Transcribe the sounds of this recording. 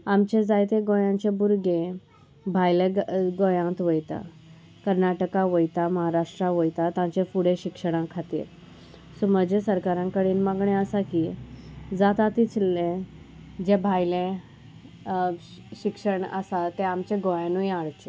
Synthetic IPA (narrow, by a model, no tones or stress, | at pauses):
amt͡ɕed͡zajt̪ẽɡojãɲt͡ɕebuɾɡẽ | bʱajlẽɡojãt̪ʋəjt̪a̰ | kəɾnaʈəkaʋəjt̪aməɦaɾaʂʈɾaʋəjt̪at̪ãt͡ɕefuɽeɕikʂəɽ̃ãkʰat̪ḭɾ | suməd͡ʑʱesəɾkaɾãŋkəɽiːnmaɡɳẽəsakiːd͡zat̪at̪it͡slːẽ | d͡ʑẽbʱajlẽ | ɕikʂəɳə̰sat̪ẽamt͡ɕẽɡojãnũjaɭt͡ɕe